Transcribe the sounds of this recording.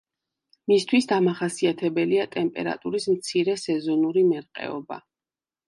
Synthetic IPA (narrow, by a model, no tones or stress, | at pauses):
mist̪ʰwisd̪amaχasiat̪ʰɛbɛliat̪ʼɛmpʼɛ̰ɾa̰t̪ʼuɾismt̪sʰiɾɛsɛzɔnuɾimɛɾqʼɛ̰ɔ̰ba̰